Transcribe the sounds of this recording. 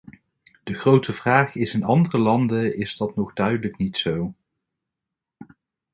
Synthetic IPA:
d̥əχrowtəvraːχɪsɪnɑndərəlɑndəɪzdɑtnɔχdœɥdələknitsow

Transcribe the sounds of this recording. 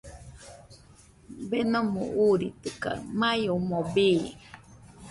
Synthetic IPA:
benomõ̰ʔuɾit̪ɨka̰mãjomõbi

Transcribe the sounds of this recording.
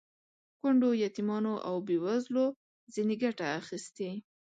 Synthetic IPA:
kwaɳɖojat̪imɑnoʔa̰wbewazlo | zineɡaʈaːxist̪e

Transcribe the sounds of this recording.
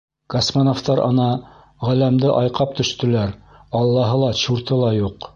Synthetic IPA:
kosmonoft̪ɑɾʔɑ̰nɑ | ʁælæmd̪ɘʔɑjqɑp̚t̪ɵ̆ʃt̪ɵ̆læɾ | ɑlˠːɑɦɤlˠɑɕuɾt̪ɤ̆lˠɑjuq

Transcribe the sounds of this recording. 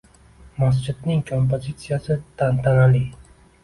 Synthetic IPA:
mas̬t͡ʃɪd̪nɪŋkʰompozit̪sijasɨt̪ant̪anali

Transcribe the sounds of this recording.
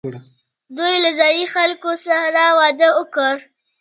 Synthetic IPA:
d̪ujlazɑjixalkosaɾawɑd̪əʊkəɾ

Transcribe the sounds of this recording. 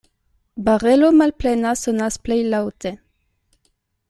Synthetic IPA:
baʁelomalplɛnasonasplejlawt̪e

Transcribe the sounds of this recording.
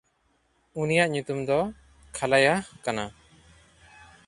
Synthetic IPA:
unijaʔɲut̪umd̪ɔ | kʰalajakana

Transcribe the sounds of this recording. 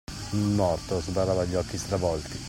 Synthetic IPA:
nmɔɾt̪osbaraːvaʎːɔkːist̪ɾavɔlt̪i

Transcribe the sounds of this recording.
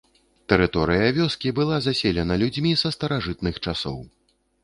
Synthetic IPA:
t̪ɛɾɨt̪ɔɾɨjɐvʲɔskʲibɨlˠazasʲelʲɛnɐlʲud͡zʲmʲisɐst̪ɐɾaʐɨt̪nɨxt͡ʂasɔ̰w

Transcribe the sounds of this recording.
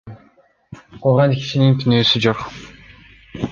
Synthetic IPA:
qʰolʁɑnkʲʰi̥ʃiniŋt̪ʰynøːsyd͡ʒoq

